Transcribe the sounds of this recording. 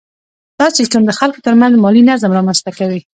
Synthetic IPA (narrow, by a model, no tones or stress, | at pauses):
d̪̥ɑsɪʃʈəmd̪əxalkot̪əɾmanzmɑlinazmɾɑmanst̪akawi